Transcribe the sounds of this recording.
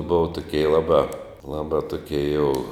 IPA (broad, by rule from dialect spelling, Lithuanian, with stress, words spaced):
ˈbʊʋɐ tʊˈkʲiɛ ˈlˠɑːbɑː ˈlˠɑːbɑː tʊˈkʲiɛ jɛʊ